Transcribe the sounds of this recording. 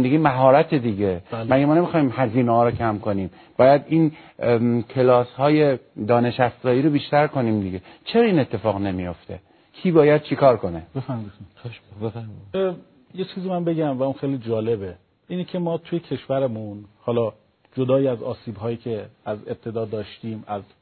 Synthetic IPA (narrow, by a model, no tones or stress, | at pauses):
d̪eɡʲimæɦɒːɾæt̪ʰed̪iːɟemæɡæmɒːnemixɒːimhæziːnehɒːɾocʰæmkʰo̞niːm | b̥ɒːjæd̪iːn | kʰe̞lɒːshɒːje̞d̪ɒːne̞ʃæszɒːiːɾobiːʃt̪æɾkʰo̞niːmd̪iɡet͡ʃʰeɾɒiːne̞t̪ʰːe̞fɒːɣne̞mijo̞ft̪ʰe̞̰ | kʰiːbɒːjæd̪̚t͡ʃʰikʰɒːɾko̞nebefæɾmidʰeʃbefæɾmi | je̞t͡ʃʰiːzimænbe̞ɡæmvæunxejlid͡ʒɒːle̞be | iːnecʰe̞mɒːt̪ʰujecʰe̞ʃvæɾemunhɒːlɒː | d͡ʒo̞d̪ɒːjiæzɒ̰ːsiːbɦɒːjiːcʰe̞æzeb̥̚t̪ʰe̞d̪ɒːd̪ɒːʃt̪iːmæz